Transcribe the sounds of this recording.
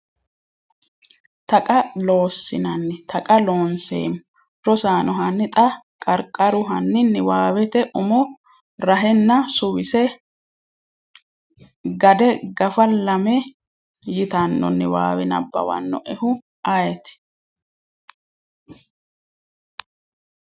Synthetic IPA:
t̪ɐkʼɐlo̞ːsːɪ̰nɐnːɪt̪ʰɐkʼɐlo̞ːnsḛːm | ɾɔsaːnʔɔɦɐnːɪt̪ʼɐkʼɐɾkʼːɐɾʊɦɐnːɪnːɪwaːwɛt̪ɛʔʊmɔ | ɾɐɦɛnːɐsʊwɪsɛ | ɡɐd̪ɛɡɐfɐlɐmɛ | jɪt̪ɐnːɔ̰nːɪ̰wa̰ːwɛnɐ̰bːɐ̰wɐ̰nːɔ̰ʔɛhʊ | ɐjɛt̪ɪ̥

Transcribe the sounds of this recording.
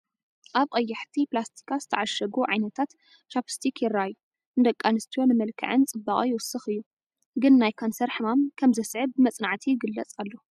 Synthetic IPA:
ʔaβqʼɐjːɐħt̪ʰiplast̪ʰi̥kʰazɨ̥t̪ʰɐʕaʃɐɡuʕajnɐt̪ʰat̪ | t͡ʃapʰɨ̥st̪ʰikʰjɪraju | ɨnd̪ɐkʼːanɨst̪ʰio̞nɨmɐlkʰɐ̰ʕɨnt͡sʼɨbːakʼijɪwʊsɨxɨjːu | ɡɨnːajkʰonsɐɾħɨmamkʰɐmzɐsʕɨbɨmɐt͡sʼnaʕt̪ʰijɪɡɨlːɐt͡sʼalːo

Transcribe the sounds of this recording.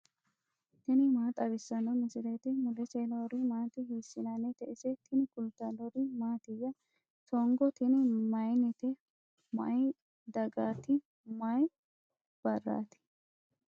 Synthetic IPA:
t̪ɪnɪmaːt̪ʼɐbɪsːɐnɔmɪsɪlet̪ɪmʊlɛselɔɾɪmaːt̪ɪɦiːsːɪnɐnɛt̪ɛʔɪsɛt̪ʰɪnɪkʊlt̪ɐlɔɾɪmaːt̪ɪjːɐ | t̪ɔŋɡɔt̪ɪnɪmɐjnɪt̪ɛ | mɐ̰j | d̪ɐɡaːt̪ɪ | mɐj | b̥ɐrːa̰ːt̪ɪ̥

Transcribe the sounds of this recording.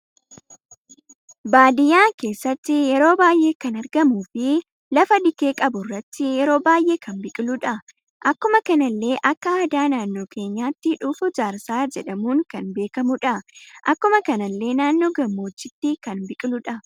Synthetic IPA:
baːd̪ɪjaːke̞ːsːɐt̪ːɪjɛɾo̞ːbaːjʔe̞ːkɐnɐɾɡɐmuːfɪ | lɐfɐd̪ɪke̞ːkʼɐbʊrːɐt̪ːɪjɛɾo̞ːbaːjʔe̞ːkʰɐnbɪkʼɪlʊᶑɐ | ʔɐkːʊmɐkɐnɐlːe̞ːʔɐkːɐaːd̪aːnaːnːo̞ːkʰe̞ːɲːaːt̪ːɪᶑʊːfʊd͡ʒaːɾsaːd͡ʒɛᶑɐmuːŋkɐnbe̞ːkɐmʊᶑɐʔɐkːʊmɐkɐnɐlːe̞ːnaːnːo̞ːɡɐmːo̞ːt͡ʃːɪt̪ːikɐnbɪkʼɪlʊᶑɐ

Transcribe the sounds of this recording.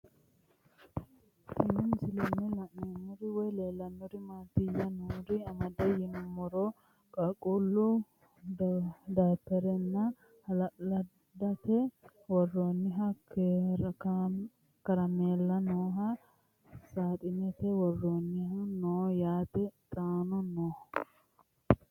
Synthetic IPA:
ɪnːɪmɪsɪlɪnːɪlɐʔeːnːɔɾɪwɔjleːlːɐnːɔɾɪmaːt̪ːɪjɐnoːɾɪɐmɐd̪ɐjɪnɔmɔɾo | kʼɐkʼulːʊ | d̪aːpːɛɾɛnːɐ | hɐlɐ | d̪ɐt̪ɛ | wɔrːoːnːɪɦɐk | kɐɾɐmeːlːɐnoːɦɐ | saːt̪ʼɪnɛt̪ɛwɔrːoːnːɪhɐnoːjaːt̪ɛt̪ʼaːnɔnoːh

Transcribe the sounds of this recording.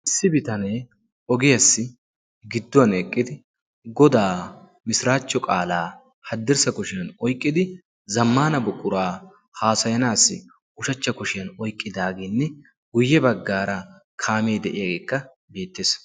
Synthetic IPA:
ʔɪsːɪbɪt̪ɐneː | ɔɡɛjɐsːɪ | ɡɪd̪ːʊɐnɛkʼːɪd̪ɪ | ɡɔd̪aː | mɪsɾaːt͡ʃːɔkʼaːlaː | hɐd̪ːɪɾsɐkʊʃɪjɐnɔjkʼːɪd̪ɪ | zɐmːaːnɐbʊkʼːʊɾaː | haːsɐjɐnaːsːɪ̰ | ʊʃɐt͡ʃːɐkʊʃɪjɐnɔjkʼːɪd̪aːɡɛnːɛ | ɡ̥ʊjːɛbɐɡːaːɾɐkʰaːmeːd̪ɛʔɪjɐɡeːkːɐ | be̞ːt̪ːeːs

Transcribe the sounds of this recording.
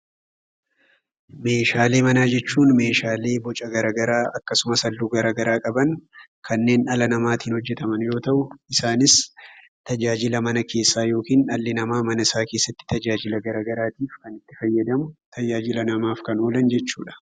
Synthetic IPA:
me̞ːʃaːle̞ːmɐnaːd͡ʒɛt͡ʃːuːnme̞ːʃaːle̞ːbɔt͡ʃʼɐɡɐɾaːɡɐɾaːʔɐkːɐsʊmɐsɐlːuːɡɐɾaːɡɐɾaːkʼɐbɐn | kʰɐnːe̞ːnɐlɐnɐmaːt̪hɪːnhɔd͡ʒːɛt̪ɐmɐnjo̞ːt̪ɐʔʊɪsaːnɪs | t̪ɐd͡ʒaːd͡ʒɪlɐmɐnɐkʰe̞ːsːaːjo̞ːkiːnᶑɐlːɪnɐmaːmɐnɐɪsaːke̞ːsːɐt̪ːɪ̥t̪ɐd͡ʒaːd͡ʒɪlɐɡɐɾaːɡɐɾaːt̪iːfkɐnɪt̪ːɪ̥fɐjːɐd̪ɐmʊt̪ʰɐd͡ʒaːd͡ʒɪlɐnɐmaːfkɐnoːlɐnd͡ʒɛt͡ʃːuːᶑɐ̥

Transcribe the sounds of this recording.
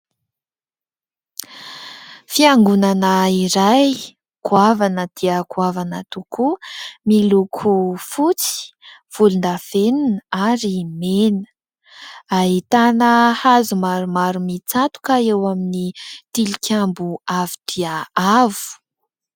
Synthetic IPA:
fiaŋɡunanəiɾaj | kuavanəd̪̥iəkʰuavanət̪ukumilukʰufut͡si̥i̥v̥ulund̪afeninaɾimenə̥ | aɦit̪anəhazumaɾumaɾumit͡sat̪u̥kəewaminit̪ilikʲʰambuavid̪̥iaavu̥

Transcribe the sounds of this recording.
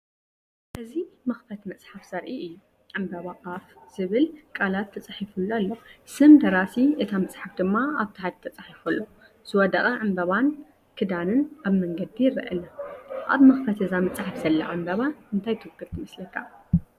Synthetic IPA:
ʔɨzimɐxfɐt̪mɐt͡sʼħafz̥ɐɾʔiʔɨjːu | ʕɨmbɐβakʼafz̥ɨβɨlkʼalat̪ʰːɐt͡sʼaħifulːualːosɨmd̪ɐɾasiʔɨt̪ʰamɐt͡sʼħafd̪ɨmːaaβt̪ʰħad̪t̪ʰɐt͡sʼaħifɐlːo | z̥ɨwɔd̪ɐχʼɐʕɨmbɐβan | kʰɨd̪anɨnʔaβmɐŋɡɐd̪ijɪɾɨ̰ʔɐ̰laʔa̰βmɐxfɐt̪ɨzamɐt͡sʼħafz̥ɐlːɐ̰ʕɨmbɐβaɨnt̪ʰajt̪ʰɨwkʰːɨɾt̪ʰɨmɐslɐk̪ʰːa

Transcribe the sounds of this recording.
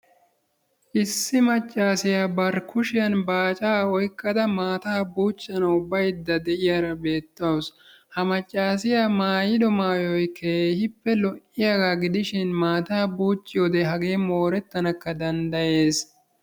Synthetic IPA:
ʔɪsːɪmɐt͡ʃʼːaːsɪjaːbɐɾkʰʊʃɪjɐnbaːt͡ʃʼaːɔjkːɐd̪ɐmaːt̪aːbuːt͡ʃʼːɐnɐʊbːɐjd̪ːɐd̪ɛʔɪjaɾɐbe̞ːt̪ːɐws | hɐmɐt͡ʃʼːaːsɪjamaːjɪd̪ɔmaːjɔjkʰeːhɪpːɛlɔʔɪjɐɡaɡɪd̪ɪʃɪnmaːt̪aːbuːt͡ʃʼːɪjod̪ɛɦɐɡe̞ːmoːɾɛt̪ːɐnɐkːɐd̪ɐnd̪ɐje̞ːs

